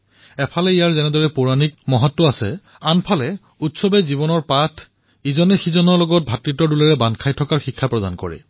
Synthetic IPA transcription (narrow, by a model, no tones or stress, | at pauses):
ɛpʰalɛijaɹzɛnɛdɔɹɛpuɹanik̚mɔɦɔtːɔasɛ̰ | anpʰalɛ | utsɔbɛzibɔnɔɹpatʰ | izɔnɛxizɔnɔɹlɔɡɔt̚bʱatɹitɔdulɛɹɛbankʰajtʰɔkaɹxikʰːapɹɔdankɔɹɛ̰